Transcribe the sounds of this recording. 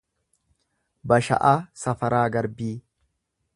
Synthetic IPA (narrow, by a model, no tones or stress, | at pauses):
bɐʃɐ̰ʔaːsɐfɐɾaːɡɐɾbiː